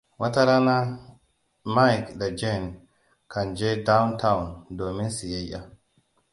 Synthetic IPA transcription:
wa˦ta˦ɾa˦na˦ | ma˦jkda˨d͡ʒɛ˦n | kʰa˨nd͡ʒɛ˦da˦wntʰa˦wundoː˨mi˦nsi˨jɛ˦jʔa̰˨

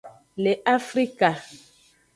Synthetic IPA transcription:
le˨ʔa˦fɾi˦ka˨

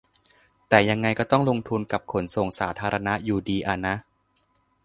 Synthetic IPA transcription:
t̪ɛː˨˩ja˧ŋːa˧jkɔː˥˩t̪ɔ˥˩ŋlo˧ŋt̪ʰu˧nka˨˩p̚kʰo˩˦nso˨˩ŋsaː˩˦t̪ʰaː˧ɾa˧na˦˥ʔjuː˨˩diː˧ʔa˧˩na˦˥ʔ

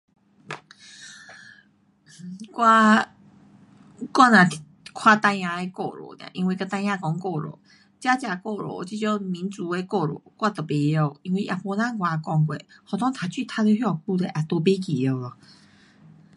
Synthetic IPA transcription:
kwa˧ | kwa˥˧nã˨ | kʰwa˧t̪ã˧ã˧e˧kɔ˧ɾɔ̰˨t̪jã̰˨ʔi˧wi˧ka˧t̪ã˧j̃ã˧kɔ˧˦ŋkɔ˥˧ɾɔ̰˨˦ | t͡ɕja˦t͡ɕja˧kɔ˥˧ɾɔ̰˨t͡ɕi˧˥t͡ɕjɔ˥˦mĩ˨˦nt͡su˨˦e˧kɔ˥˧˨ɾɔ̰˨˦kwa˥˧˨t̪ə˨˩be˧o˧˨i˧ŋwi˧jʔa̰˨pɔ˧lã˦˨ɡwa˨˧˨kɔ˧ŋkwḛ˨hɔ˨t̪ʰɔ̃˦ŋt̪ʰa˨˧t͡ɕi˥˧˨t̪ʰa˧te˧ɦjɔ˥˩˨pu˥˧le˧˨ʔa˨t̪ɔ˧be˦k̬i˨o˧˩lɔ˨˩

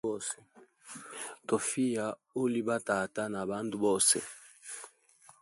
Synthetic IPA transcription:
ɔ˦sɛ˨ | to˨fi˦ja˨o˦li˦ba˦ta˨ta˦na˨ba˦ndu˦bɔ˦sɛ̰˨

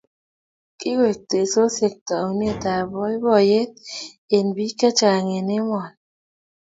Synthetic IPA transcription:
ki˦we˨k̚te˨so˦se˨k̚tɔ˨wn˦e˦˨ta˨bɔ˦i˦bɔ˦˨je˦ | e˨nbi˦ka˦t͡ʃa˨ŋe˨ne˦mɔ˨n

